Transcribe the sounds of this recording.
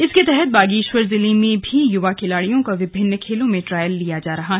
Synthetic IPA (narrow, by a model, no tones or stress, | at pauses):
ɪsket̪ɛɦɛt̪̚baːɡiːʃwəɾzɪlimẽbʱijʊʋakʰɪlaːɽijõkaʋɪbʱɪnːkʰeːlõmẽʈɾaːjəlːijad͡ʒaːɾɐɦaɦ